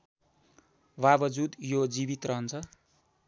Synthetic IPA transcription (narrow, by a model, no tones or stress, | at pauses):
babʌd͡zud̪jod͡zibit̪rʌɦʌnt͡sʰʌ